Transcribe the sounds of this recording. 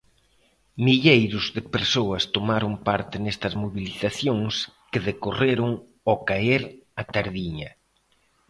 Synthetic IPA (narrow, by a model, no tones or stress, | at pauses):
miʎejɾʊzðɪpeɾsoɐst̪omaɾʊŋpaɾt̪ɪnest̪ɐzmoβiliθaθjoŋskɪðekoreɾʊŋ | okaeɾat̪aɾðiɲɐ